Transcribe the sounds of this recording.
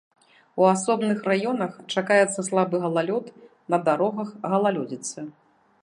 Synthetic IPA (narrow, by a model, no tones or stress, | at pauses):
uasɔbnɨxrajɔnɐxt͡ʂakajɛt̪sːɐslˠabɨɣɐlˠalʲɔt̪ | nɐd̪aɾɔɣɐxɣɐlˠalʲɔd͡zʲit̪sɨ